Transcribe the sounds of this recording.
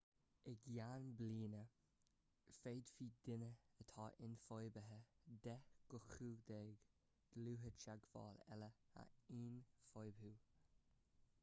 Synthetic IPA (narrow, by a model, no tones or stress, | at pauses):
əɡjanbliːnə | feːd̪̥fiːd̪ɪnəət̪ʰɑːʔɪnfojbəɦəd̪ɛɡ̥ʊxuːd̪eːɡ | ɡ̥luːɦət͡ʃaɡvɑ̰ːlɛ̰ləa̰iːnfojbɦuː